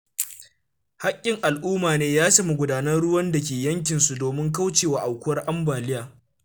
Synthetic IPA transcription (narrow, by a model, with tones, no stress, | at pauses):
ha˦kʲʼːɪ˨ŋʔa˨lʔuː˦maː˨neː˦jaː˦sɐ˦mu˨ɡʷʊ˨daː˦nɐ˦rɽʊ˦wɐ˦nda˨kʲeː˨jɐ˦ŋk̬ʲɪ˨nsu˨doː˨mɪ˦ŋk̬a˦wt͡ʃeː˨wa˨ʔa˨wkʷʊ˦wɐ˦rʔa˦mbaː˨lɪ˦jaː˨